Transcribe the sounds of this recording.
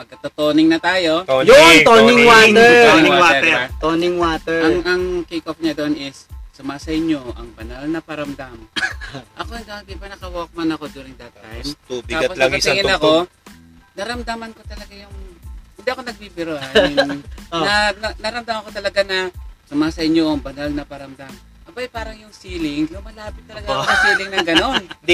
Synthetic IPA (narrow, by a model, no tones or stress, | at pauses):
pɐɡ̚kːɐt̪ot̪oːnɪŋnɐt̪aːjo̞joŋt̪onɪŋwat̪ɛɪŋwaɛt̪onɪŋwaːt̪ɛɐŋʔɐŋkekop̚ɲad̪oonɪsːʊmaːsɐɪɲo̞ʔɐŋbɐnɐlnɐpɐɾɐmd̪am | ʔɐkod̪onɐbipɪnɐkɐwoːk̚mɐnɐko̞d̪uːɾɪŋd̪ɐt̪ːajmt̪utbɪaːposlɐɡɪnɐko̞ | nɐɾɐmd̪amɐnko̞t̪ɐlɐɡajʊŋhɪnd̪iʔɐko̞nɐɡ̚bibɪɾoʔaj | ɐnɐnɐɾɐmd̪amɐko̞t̪ɐlɐɡanɐsʊmaːsɐɪɲoʔɐŋbɐnalnɐpɐɾɐmd̪am | ʔɐbajpaːɾɐŋjʊŋsiːlɪŋlʊmɐlaːpɪt̪ːɐllɐɡajmɐsiːlɪŋnɐŋɡɐno̞n